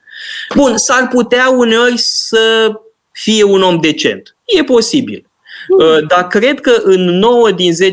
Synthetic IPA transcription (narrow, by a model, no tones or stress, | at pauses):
bunsarput̪eaune̞o̞rʲssə | fije̞uno̞md̪e̞t͡ʃe̞̰nt̪ | je̞po̞sibḭl | əd̪akɾe̞d̪kəʔɨnːo̞wəd̪inze̞